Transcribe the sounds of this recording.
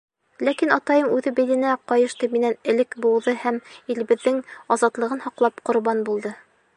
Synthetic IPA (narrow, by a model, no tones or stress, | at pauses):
lækinɑt̪ɑjɤmʉðɘbilɘ̆næqɑjɤ̆ʃt̪ɤminænɘ̆lɘkbulˠðɤhæmil̆βɘ̆ðːɘŋɒzɑt̪lˠɤ̆ʁɤnhɒqlˠɑpqŏɾβɑnbulˠd̪ɤ